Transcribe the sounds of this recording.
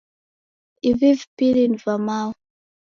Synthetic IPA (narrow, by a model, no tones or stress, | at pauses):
ivivpilinvamaw